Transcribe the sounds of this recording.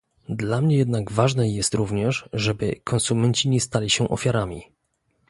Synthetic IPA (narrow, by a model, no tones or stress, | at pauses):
d̪lamɲɛjɛd̪naɡvaʐnɛjɛst̪ɾuvɲɛʂʐɛbɘkʰɔnsumɛɲt͡ɕiɲɛst̪alʲiɕɛʔɔ̰fʲjaɾamʲḭ